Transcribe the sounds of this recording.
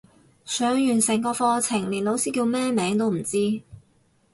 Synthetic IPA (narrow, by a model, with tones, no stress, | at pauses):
sœː˨˥ŋjyː˨˩nsɪ˨˩ŋkɔː˧fɔː˧t͡sʰɪ˨˩ŋliː˨˩nlo˨˧˥wsiː˥kiː˧wmɛː˥mɛː˨˥ŋt̪o˥wm̩˨˩t͡siː˥